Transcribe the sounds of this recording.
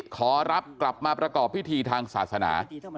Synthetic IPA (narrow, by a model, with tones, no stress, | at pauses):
kʰɔː˩˦ɾa˦˥p̚kla˨˩p̚maː˧pɾa˧kɔː˨˩pʰːi˦˥t̪ʰiː˧t̪ʰaː˧ŋsaː˨˩t̪̚sa˧na̰ː˩˦